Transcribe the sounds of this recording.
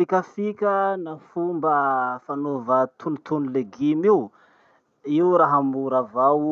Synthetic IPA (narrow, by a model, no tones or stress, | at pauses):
ikʲəfikʲənafumbəfanovət̪ʰunit̪unileɡimiw | iwɾaɦamuɾavaw